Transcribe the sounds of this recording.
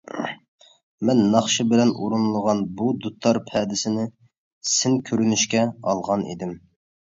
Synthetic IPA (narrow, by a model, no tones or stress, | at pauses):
mɛnːɑχʃɨbɪlɛnʔṵɾunlˠəʁɑnbud̪ut̪ʰːɑɾpʰɛd̪ɪsɪnɪ | sɪnkʲʰøɾynyʃkʲɛɑ̰lˠʁɑnḭd̪ɪm